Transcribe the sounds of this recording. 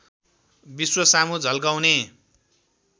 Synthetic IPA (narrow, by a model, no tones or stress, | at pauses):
biswʌsamud͡zʱʌlɡawne